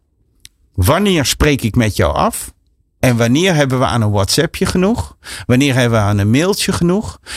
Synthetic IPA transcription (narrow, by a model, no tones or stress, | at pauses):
ʋanɪːrsprejkɪkmɛtjɔ̰wa̰f | ɛnʋanɪːərɦɛbənʋəʔa̰ːnənwɔtsɛpʰjəχənuxʋanɪːrɦɛbəʋəanənmɪlˠtjəχənux